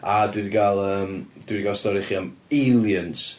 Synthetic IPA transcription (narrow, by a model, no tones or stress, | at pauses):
adwiðiɡalˠəːmd̥wiðiɡalˠstɔɾɨχiamelˠjəns